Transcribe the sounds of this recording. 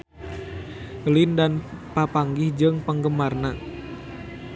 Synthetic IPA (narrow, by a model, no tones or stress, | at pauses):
lindanpapaŋɡɪhd͡ʒɨŋpəŋɡəmarna